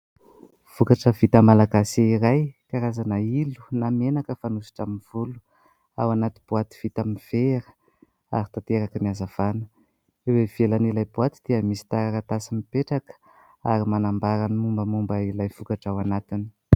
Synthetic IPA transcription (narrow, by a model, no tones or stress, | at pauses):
v̥ukaʈ͡ʂəvit̪əmalaɡaseiɾajkaɾazanailu̥namenakəfanusi̥ʈ͡ʂaminv̥ulu̥ | a̰wanat̪i̥b̥uat̪i̥v̥it̪amiv̥eɾə̥ | a̰ɾit̪at̪eɾakəmiazav̥anə̥ | ewev̥elanilajbuat̪id̪̥iəmisi̥t̪aɾaɾat̪asimipeʈ͡ʂakə̥ | aɾimanambaɾanmumbəmumbəilajv̥ukaʈ͡ʂawanat̪ini